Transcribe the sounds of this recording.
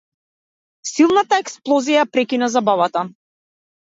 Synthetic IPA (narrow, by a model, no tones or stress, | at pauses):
silˠnat̪aɛksplˠɔzijapɾɛkinazabavat̪a